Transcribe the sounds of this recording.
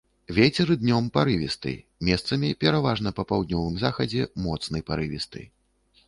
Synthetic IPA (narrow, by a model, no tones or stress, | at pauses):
vʲɛt͡sʲɛɾɨd̪nʲɔmpaɾɨvʲist̪ɨ̰ | mʲɛst̪sɐmʲipʲɛɾavaʐnɐpɐpawd̪nʲɔvɨmzaxɐd͡zʲɛmɔt̪snɐjpaɾɨvʲist̪ɨ̰